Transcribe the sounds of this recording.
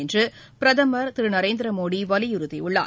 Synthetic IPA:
ɛndrɯ | pɪɾɐðɐmɐɾt̪ɪɾɯnɐɾeːnd̪ɪɾɐmoːɽiʋɐlɪjɪɾɯðiʊɭːa̰ː

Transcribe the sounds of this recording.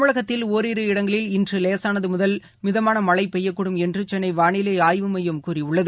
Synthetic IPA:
ʋɯɭɐɣɐt̪ːɪloːɾiɾɯɪɽɐŋɡɐɭɪlɪndrɯleːsaːnɐðɯmʊðɐl | mɪðɐmaːnɐmɐɭɐɪpɛjːɐkːʊɽɯmɛndrɯt͡ʃɛnːɐɪʋaːɳɪlɐaːjʋɯmɐjɐmkuːriʊɭːɐðɯ

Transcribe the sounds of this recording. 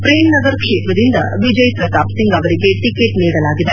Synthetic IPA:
pɾeːmnɐɡɐɾkʂeːt̪ɾɐd̪ind̪ɐ̰ʋid͡ʒɐjpɾɐt̪aːpsiŋɡɐʋɐɾiɡe̞ʈikeʈniːɽɐlaːɡid̪e

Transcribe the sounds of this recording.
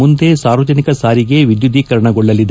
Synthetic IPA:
und̪eːsaːɾʋɐd͡ʒɐnikɐsaːɾiɡe̞ʋid̪jud̪ʱiːkɐɾɐɳɐɡɔɭːɐlːid̪

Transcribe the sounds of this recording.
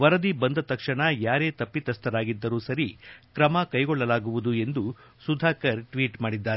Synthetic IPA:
ʋɐɾɐd̪ibɐnd̪ɐt̪ɐkʂɐɳɐjaːɾe̞ːt̪ɐpːit̪ɐst̪ʰɐɾaːɡid̪ːɐɾuːsɐɾikɾɐmɐkɐjɡɔɭːɐlaːɡuʋud̪ue̞nd̪u | sud̪ʱaːkɐɾʈʋiːʈmaːɽid̪ːaːɾ

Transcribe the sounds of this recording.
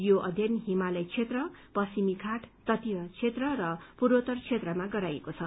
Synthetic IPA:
joʔʌ̰d̪ʱjʌnɦimalʌjt͡sʰet̪rʌpʌsimikʰaʈt̪ʌt̪ijʌt͡sʰet̪rʌrʌpuɾot̪ʌrt͡sʰet̪rʌmaɡʌɾajekot͡sʰʌ

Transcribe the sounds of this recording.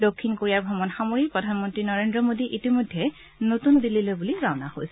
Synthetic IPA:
dokʰːinkoɹijaɹbʱɔmɔnxamoɹik̚pɹɔdʱanmɔntɹinɔɹendɹɔmodiʔitimojdʱːɛ | notundililobuliɡaʊnahojsɛ

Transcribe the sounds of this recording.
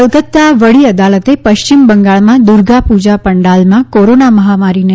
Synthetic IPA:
lɡət̪ːaʋəɭiəd̪alət̪epəʃt͡ʃimbəŋɡaɭmãd̪uɾɡapud͡ʒapəɳɖalmãkoɾonaməɦamaɾine

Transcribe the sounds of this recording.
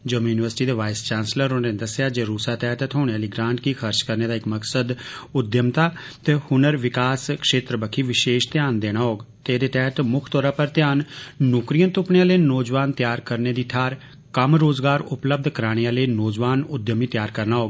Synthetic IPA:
d͡ʒəmjuːnɪʋəɾsʈiːd̪eːʋaːɪst͡ʃaːnsləɾʊnẽːnd̪əsɪjaːd͡ʒeːɾuːsaːt̪ɛːt̪t̪ʰɦoːɽeaːliːɡɾãːɳʈkixʰəɾt͡ʃkəɾneːd̪aːɪkməksəd̪ʊd̪jəmt̪aː | t̪eːhʊnəɾʋɪkaːskʃeːt̪ɾəbəkʰiːʋɪʃeːʃt̪jaːnd̪eːɽ̃aːɦoːɡt̪ed̪eːt̪ɛːt̪mʊkʰt̪ɔːɾaːpəɾt̪jaːnːʊkɾijə̃nt̪ʊpɳeãːləːnoːd͡ʒʋaːnt̪jaːɾkəɾneːd̪iːʈʰaːɾ | kəmɾoːzɡaːɾʊpləb̚d̪kəɾaːɽ̃eãːleiːnoːd͡ʒʋaːnʊd̪jəmiːt̪jaːɾkəɾnaːɦoːɡ

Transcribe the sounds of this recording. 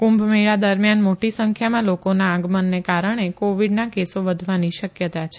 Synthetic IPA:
kũmbʱmiɭad̪əɾmjanmoʈisəŋkʰjamãlokonaːɡmənːekaɾəɽ̃ekoʋiɖnakesoʋəd̪ʱʋaniʃəkjət̪at͡ʃʰe̥

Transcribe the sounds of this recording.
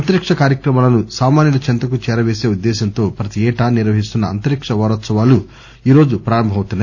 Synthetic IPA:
ɐnt̪ɐɾikʂɐkaːɾjɐkɾɐmaːlɐnusaːmaːnjɐlɐt͡ʃɐnt̪ɐkut͡ʃɛːɾɐʋeːse̞ːud̪ːɛːsɐnt̪o̞ːpɾɐt̪iɛːʈaːniɾʋɐɦis̬t̪unːɐɐnt̪ɐɾikʂɐʋaːɾɐt̪sɐʋaːlu | iːɾo̞ːd͡ʒupɾaːɾɐmbʱɐmɐwut̪unːaː

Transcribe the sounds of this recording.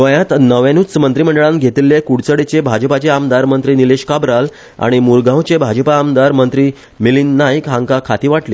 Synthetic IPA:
əjãt̪nəʋẽnut͡smənt̪ɾiːm̤əɳɖəɭãnɡʱet̪ilːekuɽt͡səɽet͡ɕebʱad͡ʑəpat͡ɕeamd̪aɾmənt̪ɾiːnileɕkabɾal | a̰ɽ̃imuɾɡãwt͡ɕebʱad͡ʑpaːmd̪aɾmənt̪ɾiː | milinːajkɦãŋkakʰat̪iːʋaʈliː

